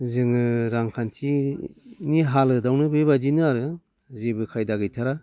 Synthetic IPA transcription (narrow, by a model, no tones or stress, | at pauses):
zɯŋɯɾaŋkʰantʰi | niɦalɯdawnɯbɯbadinɯaɾɯ | zebɯkʰajdaɡɯjtʰaɾa